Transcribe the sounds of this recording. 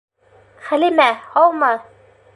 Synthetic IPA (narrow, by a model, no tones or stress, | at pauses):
χælimæhɒlˠmɑ